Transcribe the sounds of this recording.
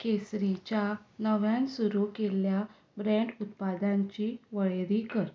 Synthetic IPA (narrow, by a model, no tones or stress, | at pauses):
kesɾit͡ɕjanəʋjãnsuɾukelja | bɾɛ̃ɳɖut̪̚pad̪ãɲt͡ɕiʋəɭeɾikəɾ